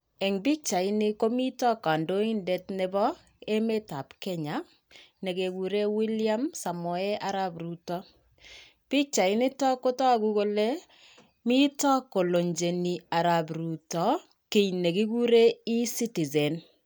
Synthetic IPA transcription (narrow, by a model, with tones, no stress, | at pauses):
ɛ˨ŋbɪ˦k̚t͡ʃa˨ɪ˦nɪ˦ko˦mi˦tɔ˦ka˨ndo˦i˦nde˦tnɛ˦bɔ˦ | e˦me˦ta˨pkɛ˦ɲa˦ | ne˨ke˨ɡu˨ɾe˦wi˦lja˦msa˨mɔ˨ɛ˦ʔa˦ɾabɾu˦tɔ˦ | pɪ˦k̚t͡ʃa˨ɪ˦nɪ˦tɔ˦ko˦tɔ˦ku˦ko˦le˦ | mi˦tɔ˦ko˨lo˨ɲd͡ʒe˨ni˨a˨ɾabɾu˨tɔ˨˦ | ke˨jne˨ki˦ɡu˦ɾe˦i˦si˦ti˨ze˨n